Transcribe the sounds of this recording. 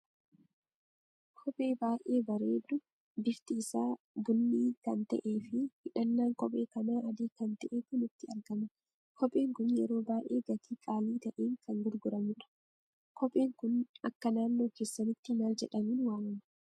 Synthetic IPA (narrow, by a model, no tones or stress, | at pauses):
kkʰɔpʼe̞ːbaːʔʔe̞ːbɐɾe̞ːd̪ːʊ | bɪft̪isaː | bʊnːiːkɐnt̪ɐ̰ʔe̞ːfɪhɪᶑɐnːaːŋkʼɔpʼe̞ːkɐnaːʔɐd̪iːkɐnt̪ɐʔeːkʊnɪt̪ːɪɐɾɡɐmɐ | kʰɔpʼe̞ːŋkʊnjɛɾo̞ːbaːjʔe̞ːɡɐt̪ʰiːkʼaːliːt̪ɐʔeːŋkʰɐŋɡʊɾɡʊɾɐmʊᶑɐ̥ | kʰɔpʼe̞ːŋkʊnɐkːɐnaːnːo̞ːke̞ːsːɐnɪt̪ːɪnaːld͡ʒɛᶑɐmiːnwaːnɐmɐ̥